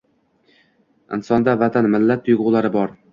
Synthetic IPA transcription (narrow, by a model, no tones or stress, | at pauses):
ɪ̰nsɒnd̪avat̪ʰanmɪlːat̪ːʊjɡʊwlˠaɾɪbɒɾ